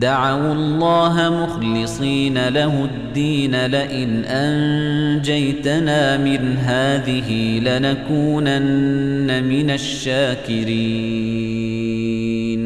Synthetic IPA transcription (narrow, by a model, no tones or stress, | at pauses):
d̪aʕawɑlˤːɑːɦamʊxlɨsˤiːnalaɦʊd̪ːiːnalaʔɪnʔand͡ʒajt̪anaːmɪnɦaːðɪɦilanakuːnanːamɪnaʃːaːkɪɾiː | n